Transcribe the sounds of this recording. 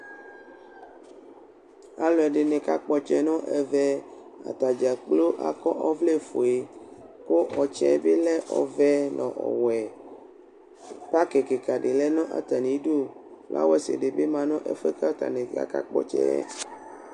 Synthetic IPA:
a˦lɔ˨ɛ˨ɖe˨nɛ̃˨ka˦k͡pɔ˨t͡ʃɛ˦nɔ̃˦ʔɛ˨vɛ˦ | a̰˨t̪a˨d͡ʒa˨k͡plo˦ʔa̰˨kɔ˦ʔɔ˦vle˦fo˨e˨ko˦ʔɔ˨t͡ʃɛ̰˦be˦lɛ˦ʔɔ˨vɛ˦nɔ̃˨ʔɔ̰˨wɛ˨ | pa˦ke˨ke˨ka˨ɖe˨lɛ˦nɔ̃˦ʔa̰˨t̪a˨nĩ˨˦ɖo˦la̰˦wɛ˦sḛ˨ɖe˨be˦mã˨nɔ̃˦ʔɛ̰˦fe˦ka˦t̪a̰˨nẽ˨ɡa̰˨ka̰˦k͡pɔ̰˦t͡ʃɛ̰˦

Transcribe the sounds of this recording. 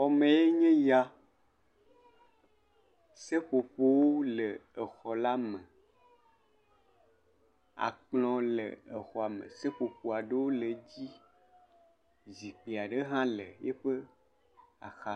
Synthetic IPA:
ɔ˨mẽ˨je˦ɲẽ˦ja˦ | se˦ɸo˨ɸo˦wo˦le˨e˨xɔ˨la˦mẽ˨ | a̰˨k͡plɔ̃˨lḛ˨e˨xɔ˨a˨mḛ̃˨se˦ɸo˨ɸo˨a˨ɖe˦wo˦le˨d͡ʑi˦ | zi˨k͡pe˨a˨ɖe˦ɦã˦le˨je˦ɸe˦ | a̰˨xa˨

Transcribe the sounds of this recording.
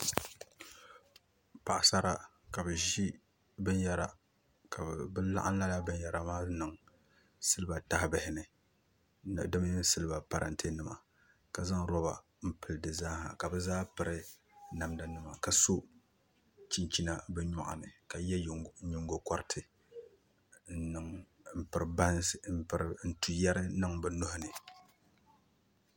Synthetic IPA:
pa˨ʔa˨sa˦ɾa˨ | ka˨bɨ˨ʒi˦ | bɨ˦njɛ˦ɾa̰˨ | ka˨bɨ˦la̰˦ʔa˦n˦la˦la˦bɨ˦njɛ˨ɾa˨maː˦nɨ˨ŋ | sɨ˦lɨ˦ba˨ta˦hɪ˦bɛ˨hɪ˦nɨ˨ | n˨dɨ˦m˦ɲɨ˦sɨ˦lɨ˦ba˨pa˨ɾa̰˨ntʰe˦nɨ˦˨ma̰˨ | ka˨za˦ŋɾɔ˦ba̰˨ | m̩˨pɨ˨ldɨ˨zaː˦ha̰˨ka˨bɛ˦zaː˦pɨ˨ɾɨ˦ | na˨mda˨nɨ˦ma˨ka˨so˦ | t͡ʃi˦˨ɲt͡ʃi˦na˨bɛ˦ɲɔ˨ʔa̰˨nɨ˨ka˨jɛ˦˨˦ɲʊ˨ŋɡo˨kɔ˦ɾɪ˦tʰɨ˨ | n̩˦nɨ˨ŋ | m̩˦pɨ˨ɾba˦n̩˦˨pɨ˨ɾɪ˨n̩˦tu˨ja˦ɾɪ˦nɨ˦ŋbɨ˨nʊ˦hʊ˦nɨ˨

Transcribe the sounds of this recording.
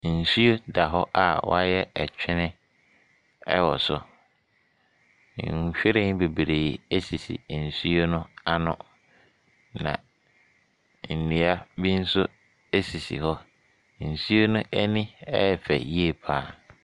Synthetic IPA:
n̩˨su˦o˦da˨ɦɔ˦ʔa˨wɔ̰˦a˦jɛ˦ɛ˨t͡ɕᶣʰɪ˦nɪ̃˦ | ɛ̰˦wɔ˨sʊ˨˦˨ | ɕᶣɪ˦ɾɪ̃˦n˦be˨bi˨ɾe˨i˨e˦si˨sḭ˨n̩˨su˦o˦nʊ̃˦a˦nʊ̰̃˦ | nã̰˨ | n̩˨nĩ˨a˦bi˦n̩˦sʊ˦ | e˦si˨sḭ˨ɦɔ˦ | n̩˨su˦o˦nʊ̃˦æ˦nĩ˦ɛ˦˨fɛ˨ji˦e˦pʰaː˨˦

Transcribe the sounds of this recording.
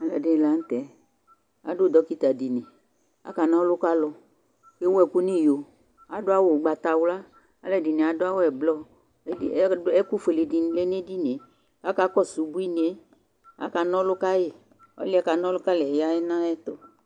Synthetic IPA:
a˨lɛ˨de˦˨la˨n̩˦t̪ɛ˨ | a̰˨do˦˨d̪ɔ˦ki˦t̪a˨di˨nẽ˨ | a̰˦ka˨nã˦lʊ˦ka˦lɔ˦ | ke˦wɛ˨ku˦nĩ˦˨jo˨ | a˨dʊ˦a˦wo˦˨ɡ͡ba˨t̪a˨wla˦ | a˦lɛ˨di˨ne˨a˨dʊ˦a˦wo˦ɛ˨blɔ˦ | i˦ɛ˦ku˦fe˨le˨di˨le˦ne˦di˦ne˨ | a˦ka˨˦kɔ˦su˨bu˦i˦n˨e˦ | a̰˨˦ka˨nɔ̃˦lʊ˦ka˦je˦˨ | ɔ̰˦li˦a˨˦ka˨nɔ˦lʊ˦ka˦le˨ja˦ɛ˦nã˦ɛ˦t̪o˨

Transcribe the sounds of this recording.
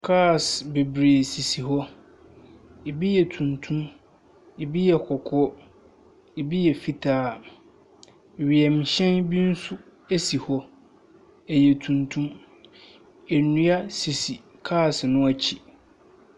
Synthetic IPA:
kʰaː˦˨sbe˨bɾeː˨si˨si˨ɦɔ˦ | e˨bi˦jɛ˨tʰũ˨ntʰũ˦m | e˨bi˦jɛ˨kʰɔ˨kʰɔ˦ | e˨bi˦jɛ˨fi˦tʰaː˨˦˨ | ɥi˨ɛ˨m̩˨ɕɛ̃˦nbi˦n̩˦sʊ˦ | e˦si˨hɔ˦ | ɛ˨jɛ˨tʰũ˨ntʰũ˦m | ɛ˨nũ˦a˦si˨si˨kʰaː˦˨snʊ̃˦a˦t͡ɕʰi˨

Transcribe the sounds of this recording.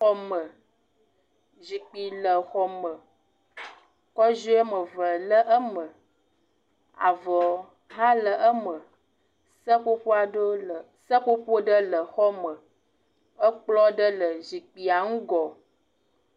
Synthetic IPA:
xɔ˦mə˨ | zi˨k͡pi˨lə˨xɔ˨mə˨ | kɔ˦ʒo˦e˦mə˨və˨lə˦ʔə˦mə˨ | a̰˨və˨ | ɦa˦lə˨ʔə˦mə˨ | sə˦k͡po˦ɸo˦a˨ɖo˦˨ | sə˦ko˦ɸo˦ɖə˦lə˨xɔ˦mə˨ | ə˦k͡plɔ˦ɖə˦lə˨zi˨k͡pi˨a˨ŋu˦ɡɔ˨

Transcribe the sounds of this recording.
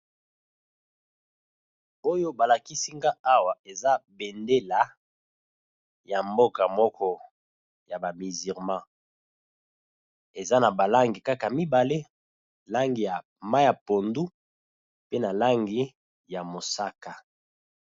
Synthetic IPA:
o˦jo˦ba˨la˨ki˦si˦ŋɡa˦a˦wa˨e˨za˦be˨nde˦la˨ | ja˨mbo˦ka˨mɔ˦kɔ˦ | ja˨ba˨mi˨zi˨ʁmã˦ | e˨za˦na˨ba˨la˦ŋɡi˨ka˦ka˨mi˦ba˨le˦ | la˦ŋɡi˨ja˨ | ma˦ja˨po˨ndu˦ | pe˦na˨la˦ŋɡi˨ | ja˨mo˨sa˦ka˨

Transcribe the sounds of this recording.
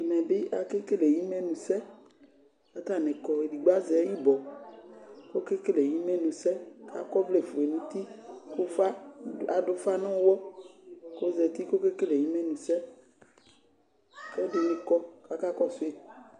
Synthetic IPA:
nɛ̃˨be˦ʔa˨ke˦ke˦le˨ji˦mɛ̃˦nũ˨sɛ˦ | a˨t̪a˦˨nɛ̃˨kɔ˨e˨di˨ɡ͡ba˦zɛ˨˦ji˦bɔ˨ | ko˦ke˦ke˦le˨ji˦mɛ̃˦nũ˨sɛ˦ka̰˨˦kɔ˦ble˦˨fo˨e˨nũ˦t̪i˦ko˦fa˦a˨ɖo˨fa˦nɔ̃˦wɔ˦ | ko˦zɛ˨t̪i˦ko˦ke˦ke˦le˨ji˦mɛ̃˦nũ˨sɛ˦ | kɛ˦ɖe˨nẽ˦kɔ˦ka˨ka˦kɔ˦so˦e˨

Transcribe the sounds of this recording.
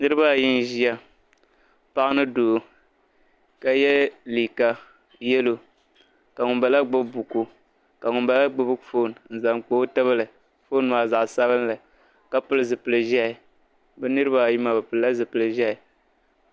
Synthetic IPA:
nɨ˦ɾɨ˦ba˦˨ji˦n˨ʒi˦a˦ | pa˦ʔnɨ˦doː˨ | ka˦jɛ˦liː˨ka˦ | jɛ˦lo˨ | ka˨ŋʊ˨nba˨la˦ɡ͡bʊ˦bbu˨ku˨ | ka˨ŋʊ˨nba˨la˦ɡ͡bʊ˦bɨ˦kfo˦˨n˨n̩˨za˨ŋk͡po˦ta˦βɨ˦lɨ˨ | fo˦n˨˦˨a˨za˨ʔsa˦βɨ˦n˦la˨ | ka˦pɨ˦lɨ˦zɨ˨pɨ˨lɨ˨ʒɛ˦ɪ˨ | bɛ˦nɨ˦ɾɨ˦ba˦˨ji˦ma˨bɨ˨pɨ˨lla˦zɨ˨pɨ˨lɨ˨ʒɛ˦ɪ˨

